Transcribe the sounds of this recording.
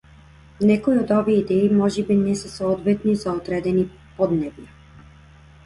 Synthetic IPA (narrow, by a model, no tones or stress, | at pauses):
nɛkɔiod̪ɔviɛid̪ɛimɔʒɛbinɛsɛsɔɔd̪vɛt̪nizaɔd̪ɾɛd̪ɛni | pɔd̪nɛvjɛ